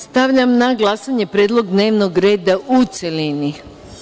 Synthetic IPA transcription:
st̪aʋʎamnaɡlˠasaɲe̞pɾeːd̪lˠo̞ɡd̪ne̞ːʋno̞ɡɾe̞ːd̪aʔut̪selini

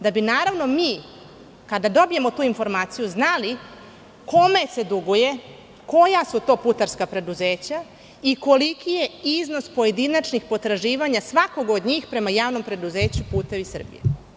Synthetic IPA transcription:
d̪abinaːɾaʋno̞miː | kad̪ad̪o̞bije̞mo̞t̪uːinfo̞ɾmaːt̪sijuznali | ko̞me̞se̞d̪uɡuje̞ | ko̞jasut̪o̞ːput̪aɾskapɾe̞d̪uze̞ːt͡ɕa | iko̞likije̞izno̞spoje̞d̪inat͡ʃnixpo̞t̪ɾaʒiːʋaɲasʋako̞ɡod̪ɲiːxpɾe̞majaːʋno̞mpɾe̞d̪uze̞ːt͡ɕupuːt̪e̞ʋisr̩bḭjḛ

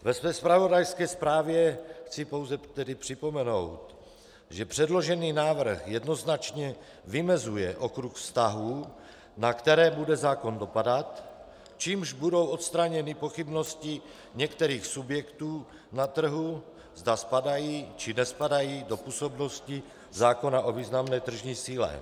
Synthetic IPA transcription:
vɛsvɛːspɾavo̞dajskɛːspɾaːvjɛxt͡sɪpo̞wzɛt̪ɛdɪpr̥ɪpo̞mɛno̞̰wt̪ | ʒɛpr̝̥ɛdlo̞ʒɛniːnaːvr̩xjɛdno̞znat͡ʃɲɛ | vɪmɛzujɛʔo̞kɾuxfst̪aɦu | nakt̪ɛɾɛːbudɛzaːko̞ndo̞padat̪ | t͡ʃiːmʒbudo̞wʔo̞t̪st̪ɾaɲɛnɪpo̞xɪbno̞scɪ | ɲɛkt̪ɛɾiːxsubjɛkt̪uː | nat̪r̩ɦu | zdaspadajiːt͡ʃɪnɛspadajiːdo̞puːso̞bno̞scɪ | zaːko̞naʔo̞viːznamnɛːt̪r̩ʒɲiːsiːlɛ̰

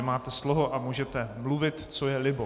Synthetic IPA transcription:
maːt̪ɛsloɦoʔamuːʒɛt̪ɛmluvɪt̪t͡so̞jɛlɪbo

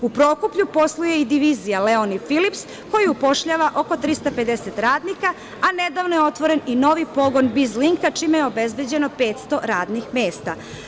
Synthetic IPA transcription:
upɾo̞ːkupʎupo̞slˠuje̞id̪iʋiːzijaleonifilips | ko̞jiupo̞ʃʎaːʋaʔo̞ko̞t̪ɾist̪ape̞d̪eset̪ɾaːd̪nika | aned̪aʋnojeo̞t̪ʋoɾe̞nino̞ʋipo̞ɡo̞nbizliŋkat͡ʃiːmejeo̞be̞zbe̞d͡ʑe̞no̞pe̞ːt̪st̪o̞ɾaːd̪nixme̞ːst̪a

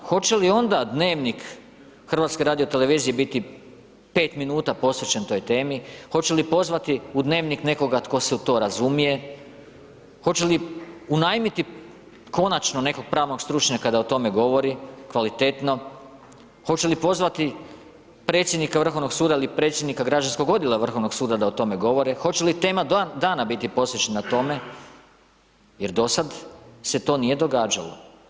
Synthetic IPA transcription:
xo̞t͡ɕe̞lio̞nd̪ad̪ne̞ːʋnik | xr̩ʋaːt̪ske̞ɾaːd̪io̞t̪ele̞ʋiːzije̞bit̪i | pe̞ːt̪minuːt̪apo̞sʋe̞t͡ɕent̪o̞jt̪e̞ːmixo̞t͡ɕe̞lipo̞zʋat̪iud̪ne̞ːʋnikne̞ko̞ɡat̪ko̞seut̪o̞ːɾazumije̞ | xo̞t͡ɕe̞liunajmit̪i | ko̞nat͡ʃnone̞ko̞ɡ̚pɾaːʋno̞ɡst̪ɾut͡ʃɲakad̪aot̪o̞me̞ɡo̞ʋo̞ɾikʋalit̪e̞t̪no̞ | xo̞t͡ʃelipo̞zʋat̪i | pɾe̞ːt̪sjed̪nikaʋr̩xo̞ʋnoɡsuːd̪ailipɾe̞t̪sjed̪nikaɡɾad͡ʒansko̞ɡo̞d̪jelˠaʋr̩xo̞ʋno̞ɡsuːd̪ad̪aot̪o̞me̞ɡo̞ʋo̞ɾexo̞t͡ɕe̞lit̪e̞ːmad̪aːnabit̪ipo̞sʋet͡ɕenat̪o̞me̞ | je̞ɾd̪o̞sad̪se̞t̪o̞ːnije̞d̪o̞ɡaːd͡ʒalˠo̰

